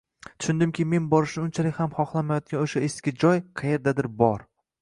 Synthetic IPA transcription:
t̪ʰʊ̥ʃʊnd̪ɪmkʲɪme̞nbɒɾɪʃnɪʊnt͡ʃʰalɪkʲhamχɒχlˠamajɒt̪̚ɡʲanoʃaeskʲɪd͡ʒɒjqʰɑje̞ɾd̪ad̪ɪɾbɒɾ

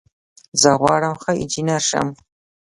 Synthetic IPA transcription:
zɐʁʷɑːɾɐmχɐḭd͡ʒinɐrʂɐ̰m

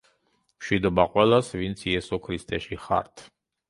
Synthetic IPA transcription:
mʃwid̪ɔbaqʼwɛlˠasvint̪sʰiɛsɔkʰɾist̪ʰʼɛʃiχa̰ɾt̪ʰ

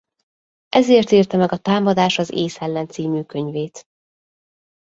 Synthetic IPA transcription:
ʔɛzeːrt̪iːrt̪ɛmɛɡɒt̪aːmɒd̪aːʃɒzḛːsɛlːɛnt̪siːmyːkøɲveːt̪

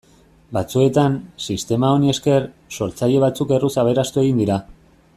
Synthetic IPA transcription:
bat͡sue̞t̪ansist̪e̞mao̞nie̞ske̞rso̞ɾt͡saʎe̞β̞at͡suke̞rusaβ̞e̞ɾast̪ue̞ɣind̪iɾa

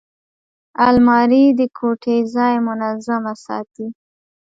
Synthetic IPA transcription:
almɑɾid̪əkʰoʈezɑjmʊnazamasɑ̰t̪i

